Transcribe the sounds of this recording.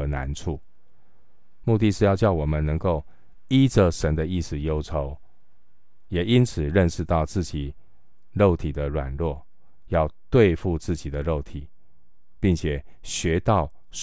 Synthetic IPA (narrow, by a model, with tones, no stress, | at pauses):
na̰˧˥nʈ͡ʂʰu˥˩ | mu˥˧t̪i˥˧ʂɻ̩˥˧jɑ˥˧ʊt͡ɕjɑ˥˩ʊwɔ˨˩mə˦nnɤ˧˥ŋko˥˩ʊ | i˥ʈ͡ʂə˨ʂə˧˦˥nd̪ə˧i˥˩sɹ̩˨˩jo˥ʊʈ͡ʂʰo˧˦ʊ | jɛ˨˩i˦˥nt͡sʰɹ̩˨˩ɻə˥˧nʂɻ̩˥˧t̪ɑ˥˧ʊt͡sɹ̩˥˩t͡ɕi˨˩ | ɻo˥˩ʊt̪ʰi˨˩d̪ə˦ɻwa̰˨˩nlwɔ˥˩ | jɑ˥˧ʊt̪we˥˧ɪfu˥˧t͡sɹ̩˥˩t͡ɕi˨˩d̪ə˦ɻo˥˩ʊt̪ʰi˨˩˦ | pi˥˩ŋt͡ɕʰjɛ˨˩ | ɕɥɛ˧˥t̪ɑ˥˩ʊ